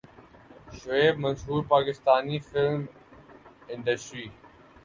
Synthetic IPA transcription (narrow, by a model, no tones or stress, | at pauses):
ʃueːmənsuːɾpaːkɪst̪aːnifɪlm | ɪ̃nd̪əsɾiː